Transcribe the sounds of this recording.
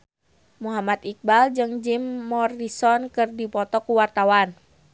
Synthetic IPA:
muɦamat̪ik̚bald͡ʒɨŋd͡ʒimːɔrisɔnkɨrdipɔt̪ɔkuwart̪awan

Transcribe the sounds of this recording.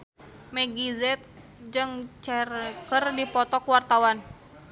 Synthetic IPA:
mɛɡizɛt̪̚ | d͡ʒɨŋt͡ʃɛkərdipɔt̪ɔkwart̪awan

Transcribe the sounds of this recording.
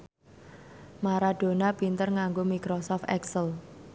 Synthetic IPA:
maɾaɖ̥o̤napint̪ərŋaŋɡomikɾosɔft̪ɛksəl

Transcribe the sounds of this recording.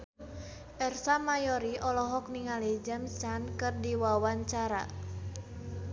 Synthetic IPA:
ʔɛrsamajɔɾiʔɔlɔɦɔk̚niŋalid͡ʒɛmst͡ʃankɨrdiwawaɲt͡ʃaɾa̰

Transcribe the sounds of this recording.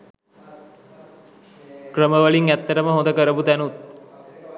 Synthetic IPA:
krəməʋəliŋæt̪ːəʈəməɦõnd̪əkəɾəbut̪ænut̪̚

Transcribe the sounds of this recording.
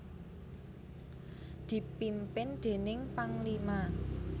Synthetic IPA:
d̪̥i̤pimpɪnd̪̥e̤nɪŋpaŋlima

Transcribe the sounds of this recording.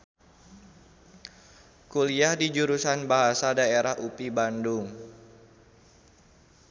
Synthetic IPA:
kuliahdid͡ʒuɾusanbaɦasadaeɾahupibandʊŋ

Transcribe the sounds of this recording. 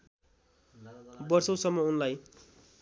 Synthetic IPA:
bʌrsʌw̃sʌmːʌunlaj

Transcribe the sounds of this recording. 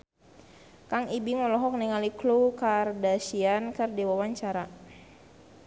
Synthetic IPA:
kaŋibiŋɔlɔɦɔk̚niŋaliklukardasiankɨrdiwawaɲt͡ʃaɾa

